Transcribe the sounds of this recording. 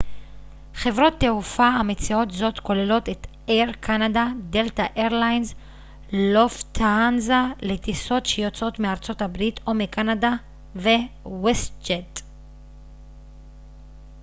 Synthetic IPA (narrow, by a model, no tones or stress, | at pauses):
χe̞vʁo̞t̪ːeufaamet͡sio̞tzo̞tko̞lelo̞tet | eʁkʰanadadeltaʔeʁlajnz | loft̪ʰaanzaletiso̞tʃejot͡so̞tmeaʁt͡so̞tabʁitʰo̞mekanada | vewestd͡ʒed